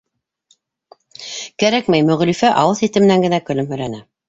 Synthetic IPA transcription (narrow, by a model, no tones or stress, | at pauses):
kæɾækmæjmɵ̆ʁlifæʔɑwɤðit̪ɘ̆m̆næŋɡɘ̆nækɵ̆lɵmhɵ̆jlænæ